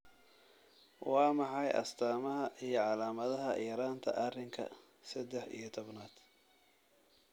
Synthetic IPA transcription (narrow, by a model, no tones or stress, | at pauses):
wɑːmɑħɑjʔɐ̰st̪ʰaːmɐɦɐʔijɞʕɑlaːmɐðɐɦɐjɛɾaːnt̪ʰɐ̰ʔɐrɪŋkʰɐ̰ | sɐd̪ɛħḭjɞt̪ʰɔbnaːd̪̥